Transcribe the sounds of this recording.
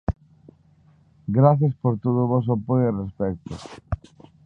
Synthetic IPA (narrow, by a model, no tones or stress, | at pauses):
ɡɾaθjaɐspoɾt̪oð̞ʊβos̬apojerespɛk̚t̪ʊ̰